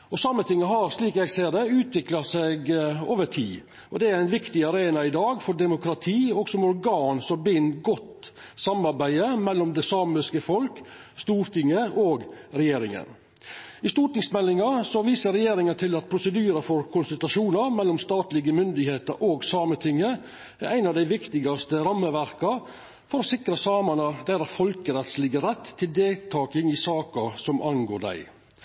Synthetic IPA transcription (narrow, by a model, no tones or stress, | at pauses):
ɔsɑːmːət̪ʰɪŋːəɦɑɾsliːkɛɡseːɾd̪ɛʉːt̪ʰʋɪklɑsɛɡo̰ːʋəʈʰḭː | ʔɔd̪ɛæɾæɪnʋɪkt̪ɪɑɾeːnɑɪd̪ɑːɡfɔɖ̪ɛmʊkɾɑt̪ʰiːɔɡsɔmɔɾɡɑːnsɔmbɪnɡɔt̪ | sɑmɑɾbæɪd̪əmɛlːɔmd̪ɛsɑːmɪskəfɔlkst̪uːɾt̪ɪŋːəoːɡɾɛjeːɾɪŋə̰n | ɪst̪uːʈnɪŋsmɛlːɪŋɑsɔʋiːsəɾɛjeːɾɪŋənt̪ʰɪlɑt̪̚pʰɾʊsəd̪yːɾəfɔɾkʰʊnsʉlt̪ɑʂuːnɑɾmɛlːɔmst̪ɑːt̪lɪɡəmʏnd̪ɪɡheːt̪əɾoːɡsɑːmət̪ʰɪŋːə | æɾʔæɪnɑʋd̪æɪʋɪkt̪ɪɡɑst̪əɾɑmːəʋæɾkɑ | fɔɾɔsɪkɾɑsɑːmɑnəd̪æɾæfɔlkəɾɛt̪slɪɡəɾɛt̪ʰːɪld̪eːlt̪ʰɑːkɪŋɪsɑːkɑsɔmʔɑŋɡoːd̪æ̰ɪ